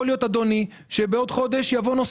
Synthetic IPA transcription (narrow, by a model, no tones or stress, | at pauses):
liot̪ad̪oni | ʃe̞beo̞d̪χo̞d̪e̞ʃjavo̞nos